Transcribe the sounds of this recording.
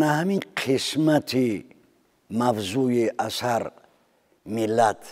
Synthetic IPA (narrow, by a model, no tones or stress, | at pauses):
nahamiqʰismat̪ʰi | mavzujeʔasaɾ | milat̪